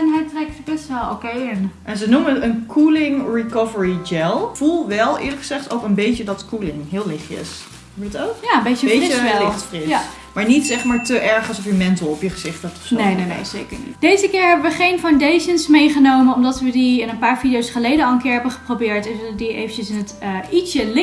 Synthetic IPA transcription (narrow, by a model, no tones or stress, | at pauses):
ɛnɦɛjtrɛksəbɛstʋɛlˠo̰kejɪnʔɛnzənuməənkʰulɪŋɹikɔvəɹid͡ʒɛlˠv̥ulˠʋɛlˠɪ̰ːɹləkχəz̥ɛχtowkənbejcədɑtkulɪŋɦɪːlˠlɪχɪ̰s | utowkjaːəmbejəeəɛlɪχtfrɪsa | maːɹnitsɛχmaːɹtəʔɛɹχəsɔfjəmɛntəlˠɔpjəχəzɪχtɛptɔfsnejnenḛjz̥ḛjkəɹnḭtd̥ejzəkɪːɹɦɛbəʋəχejnfawndejʃənsmejχənowmənɔmdɑtʋədiɪnənpaːɹvidijowsχəlejdənɑlˠənkɪːɹɦɛbəχə̥probɪːɹtɛnʋələdiḛjvənt͡ʃəsɪnətːisəlɪ